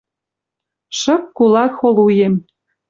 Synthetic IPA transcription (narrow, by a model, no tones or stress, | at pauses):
ʃɤ̆k̚kulɑxolujem